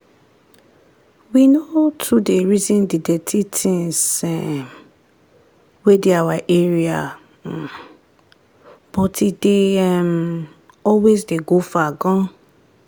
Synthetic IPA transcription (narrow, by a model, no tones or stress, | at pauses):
winotʰudeɹizĩndidɛtʰitʰĩŋsɛm | wedeawaʔeɹia | b̥ɔtideɛm | ɔlwezdeɡofaɡɔ̃